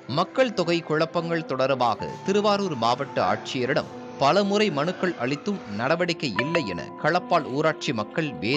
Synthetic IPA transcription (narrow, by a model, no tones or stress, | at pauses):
mɐkːɐɭt̪ɔɣɐɪkʊɻɐpːɐŋɡɐɭt̪ɔɽɐɾʋaːɣɐ̰t̪ɪɾɯʋaːɾuːɾmaːʋɐʈːɐa̰ːʈ̚t͡ʃɪjɐɾɪɽɐ̰m | pɐlɐmɯrɐɪmɐnɯkːɐɭʔɐɭɪt̪ːɯmnɐɽɐʋɐɽɪkːɐjɪlːɐɪɛ̰nɐ̰kɐɭɐpːaːluːɾaːʈ̚t͡ʃimɐkːɐɭʋeː